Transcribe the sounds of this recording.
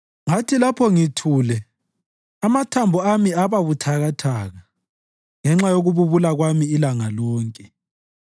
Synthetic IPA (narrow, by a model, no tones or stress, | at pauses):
ŋatʰilapʰɔŋitʰuːlɛ | amatʰambʱɔamiaβaβutʰaɣatʰaɣa | ŋɛŋ͡ǁajoɣuβuβulaɣwamiːlaŋalɔːŋkʼɛ